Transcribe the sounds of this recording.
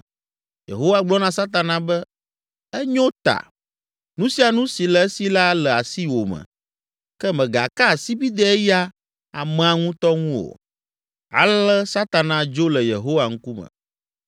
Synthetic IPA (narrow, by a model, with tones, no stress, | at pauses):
jḛ˨ɦo˦wa˦ɡ͡blɔ˦nã˦sa˦t̪a˨nã˨bɛ˦ | ɛ˦ɲõ˦t̪a̰˨ | nũ˦si˦a˨nũ˦si˨lɛ˨ɛ˦si˦la˦lɛ˨a˨si˦wo˨mɛ̰̃˨ | kɛ˦mɛ̃˨ɡa̰˨ka˦˨si˦bi˦d̪ɛ˦ɛ˦ja˦ | a˨mɛ̃˨a˨ŋũ˦t̪ɔ˦ŋũ˦wo̰˨ | a̰˨lɛ˦sa˦t̪a˨nã˨d͡ʒo˦lɛ˨je˨ɦo˦wa˨ŋ̩˦ku˦mə̰̃˨